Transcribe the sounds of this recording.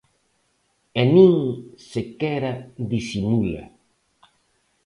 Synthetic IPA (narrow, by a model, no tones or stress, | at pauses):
enĩŋsekɛɾad̪isimula̰